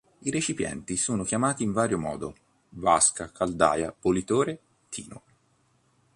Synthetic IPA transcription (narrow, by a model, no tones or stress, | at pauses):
iɾet͡ʃipjɛ̰nt̪isoːnokjamaːt̪iːɱvaːɾjomɔ̰ːd̪o | vaskakʰald̪a̰ːja̰polit̪oːɾe | t̪ʰḭːno